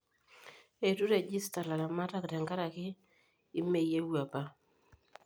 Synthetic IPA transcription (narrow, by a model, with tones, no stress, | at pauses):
e˨tu˦ɾe˦˨d͡ʒi˦sta˨la˨la˨ma˦ta˦˨kda˨ŋɡa˦ɾa˨kɪː˦ | me˦˨je˦wu˦a˨pa˦